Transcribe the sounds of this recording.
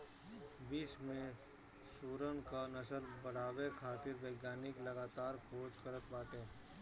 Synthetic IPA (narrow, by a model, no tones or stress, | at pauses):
biːsmẽ | suːɾənkanɐsəlbɐɽ̤aːwekʰaːt̪ɪɾʋeːɡjaːnɪklɐɡaːt̪aːɾkʰoːt͡ʃkəɾət̪̚baːʈẽː